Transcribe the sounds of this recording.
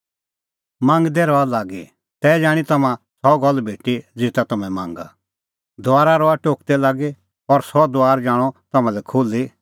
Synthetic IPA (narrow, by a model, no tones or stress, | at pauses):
mãːŋɡd̪eɾɔalaːɡḛ | t̪ɛd͡ʒaːɽ̃it̪ɐmã | sɔɡɔlbʱeːʈid͡zɪt̪at̪ɐmɛ̃mã̰ːŋɡa̰ | d̪ʊaːɾaɾɔaʈoːkt̪ɛlaːɡe | ɔɾsɔd̪ʊaːɾd͡ʒaːɽ̃ɔt̪ɐmãlɛkʰoːli